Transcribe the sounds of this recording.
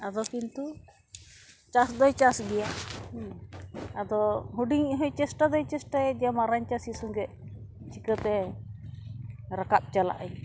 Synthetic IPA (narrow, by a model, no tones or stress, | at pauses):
ad̪ɔkint̪u | t͡ʃasd̪ɔjt͡ʃasɡɛja | ad̪ɔɦuɖiŋiʔɦɔjt͡ʃɛsʈad̪ɔjt͡ʃɛsʈajɛd͡ʒɛjamaɾaɲt͡ʃasisuŋɡɛʔ | t͡ʃikət̪ɛ | ɾakap̚t͡ʃala̰ʔaj